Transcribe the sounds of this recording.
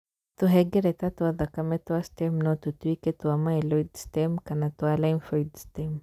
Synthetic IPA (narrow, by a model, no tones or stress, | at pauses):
tuɦɛɡɛɾɛtatuaðakamɛtuastɛmnɔt̪utuikɛtuamaɛlɔidstɛmkanatualainfɔidstɛm